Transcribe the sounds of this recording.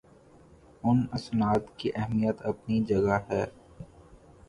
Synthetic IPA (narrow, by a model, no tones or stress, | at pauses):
ʊnɐsnaːt̪kiʔɛɦmijət̪ɐpnid͡ʒɐɡaɦɛː